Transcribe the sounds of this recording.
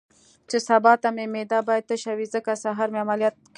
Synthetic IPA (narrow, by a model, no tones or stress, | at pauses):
t͡ʃesabɑt̪amemed̪ɑbɑjad̪̚t̪əʃawizəkasaɦɑɾmeamaljɑt̪̚k